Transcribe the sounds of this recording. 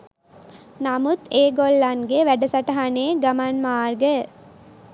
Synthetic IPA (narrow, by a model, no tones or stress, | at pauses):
namut̪eːɡolːɐnɡeʋæɖɐsɐʈɐɦaneːɡamanmaːrɡə